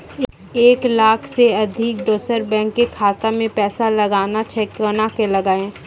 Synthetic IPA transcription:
eːklaːkʰseɐd̪ʱɪk̚d̪oːsəɾbɛ̃ːŋkːekʰaːt̪amẽpɛːsalɐɡaːnat͡ʃʰɛːkonakelɐɡaːẽː

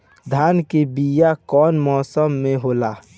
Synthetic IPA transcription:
d̪ʱaːnkebijakɔːnmɔːsəmːẽɦoːlaː

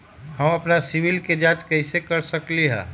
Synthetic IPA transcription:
həmɐpnasiʋilked͡ʒãːt͡ʃkəɦɪsekəɾsəkliɦɛ̰̃ː

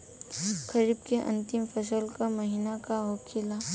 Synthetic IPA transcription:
kʰəɾibkeʔɐ̰̃nt̪ɪmpʰəsəlkaməɦɪnakaɦoːkʰɪla

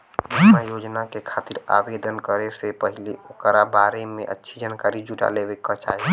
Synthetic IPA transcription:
bimajod͡ʒnakekʰat̪iɾa̰bed̪ʱənkəɾesepəɦileokɾabaɾemḛ̃ʔə̰tːʃʰid͡ʒankaɾid͡ʒuʈa̰lebekːɔt͡ʃa̰ɦi

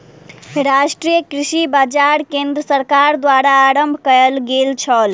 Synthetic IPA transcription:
ɾasʈɾijəkɾisibad͡ʒaɾkẽnd̪ɾəsəɾkaɾd̪waɾaːɾəmbʱkəlɡelt͡ʃʰəl

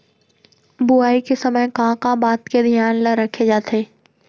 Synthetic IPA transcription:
bʊaːikesəməjkãːkabaːt̪ked̪ʱjaːnləɾəkʰed͡ʒaːt̪eː

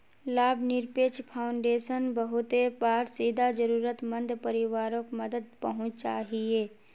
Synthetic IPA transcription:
laːbʱnɪɾpeːt͡ʃpʰaːʊɳɖeːʃənbəɦʊt̪epaːɾsiːd̪ʱad͡ʒəɾuːɾət̪mə̃nd̪ʱpəɾɪʋaːɾõkməd̪əd̪̚pəɦʊ̃t͡ʃt͡ʃaːɦieː

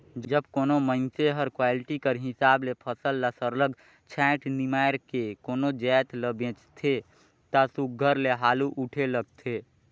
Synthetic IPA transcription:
d͡ʒd͡ʒəbkoːnomənseɦəɾkwaːlɪʈikəɾɦɪsaːblepʰəsəlːasəɾləɡ | t͡ʃʰɛ̃ːʈnimaːɾkekoːnod͡ʒɛːt̪ləbẽːt͡ʃt̪ʰe | t̪asuk̚ɡʱəɾleɦaːluʔuʈʰeləɡ̚t̪ʰeː

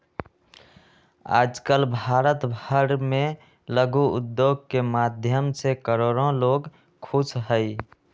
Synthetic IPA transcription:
a̰ːd͡ʒkəlbʱaɾət̪bʱəɾme | ləɡuʊ̰d̪joɡ̚kemad̪ʱjəmsekəɾoɾõloːɡ | kʰut͡ʃʰɦəɪ

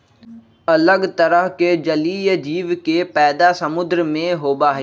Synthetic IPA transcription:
ɐləɡt̪əɾəɦked͡ʒəliːjd͡ʒiːʋkepɛːd̪asɐmʊd̪ɾmẽɦoːbaːɦeː

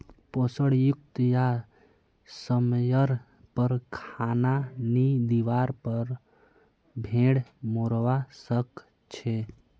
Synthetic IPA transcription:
posəɽjuk̚t̪ja | səmjəɾ | pəɾkʰananid̪iʋaɾpəɾ | bʱẽɽmoɾʋasək | t͡ʃʰe

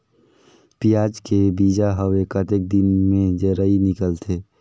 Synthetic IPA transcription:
pijaːd͡ʒkebiːd͡ʒaɦəwekət̪ek̚d̪ɪnmẽd͡ʒəɾəinɪkəlt̪ʰeː

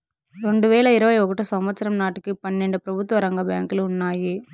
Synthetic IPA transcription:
ɾɔɳɖɯʋeːɭɐɪɾɐʋɐɪɔɣɯʈːɐsɐmʋɐt͡ʃːɐɾɐmnaːʈːɯkːɯpɐnːɛɳɖɯpɪɾɐbɯt̪ːʋɐɾɐŋɡɐba̰ːŋkɪlʊnːaːji

